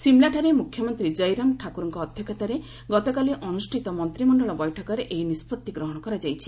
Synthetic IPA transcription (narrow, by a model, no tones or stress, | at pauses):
simlaʈʰaɾemukʰjɔmɔnt̪ɾid͡ʒɔjɾamʈʰakuɾɔŋkɔːd̪ʱjɔkat̪aɾe | ɡɔt̪ɔkaliʔɔnusʈʰit̪ɔmɔnt̪ɾimɔɳɖɔɭɔbɔjʈʰɔkɔɾeʔeinispɔt̪ːiɡɾɔɦɔɽ̃ɔkɔɾad͡ʒajt͡ʃʰi̥